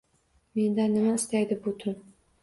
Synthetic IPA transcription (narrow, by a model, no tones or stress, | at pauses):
me̞nd̪anːɪmaɪst̪ajd̪ɪbʊt̪ʰʊn